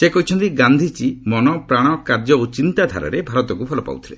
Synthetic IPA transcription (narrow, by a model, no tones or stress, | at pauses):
sekɔɦit͡ʃʰɔnt̪iɡand̪ʱit͡ʃimɔnɔpɾaɽ̃ɔkaɾd͡ʒɔot͡ʃint̪ad̪ʱa̰ɾɔ̰ɾebʱaɾɔt̪ɔkupʰɔlɔpa̰wt̪ʰi̥lḛ